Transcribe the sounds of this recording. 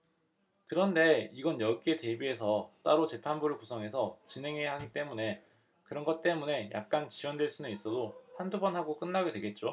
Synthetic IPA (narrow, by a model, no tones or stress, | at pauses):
kɯɾʌnde̞iɡʌnjʌɭk͈ʰe̞te̞bie̞sʰʌt͈aɾot͡ɕe̞pʰanbuɾɯɭkusʰʌŋɦe̞sʰʌt͡ɕinɦe̞ŋɦejaɦaɡit͈e̞mune̞ | kɯɾʌnɡʌt̚t͈e̞mune̞jʔa̰k̚k͈ant͡ɕiwʌndweɭs͈unɯnis͈ʌdohandubʌnɦaɡok͈ɯnːaɡedwe̞ɡe̞t̚t͡ɕ͈o